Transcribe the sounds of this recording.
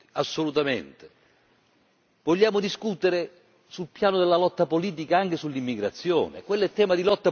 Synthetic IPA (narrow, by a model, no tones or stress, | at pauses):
i̥asːolut̪amḛnt̪e̥ | voʎːaːmʊd̪iskut̪eɾɪ | sulpjaːnʊd̪elːalɔt̪ːapoliːt̪̬ikaaŋk̟esulːimːiɡɾat̪sːjɔ̰ːnɪ̰kwelːɛt̪ːɛːmad̪ilɔt̪ːa